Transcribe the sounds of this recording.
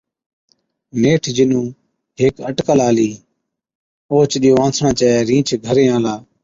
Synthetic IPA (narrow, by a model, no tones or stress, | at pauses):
neːʈʰd͡ʒɪnũː | ɦeːkəʈkəlaːliː | oːt͡ʃɗijoːãːsʰɳãːt͡ʃɛːɛɾĩːt͡ʃʰɡʱəɾẽːãːlaː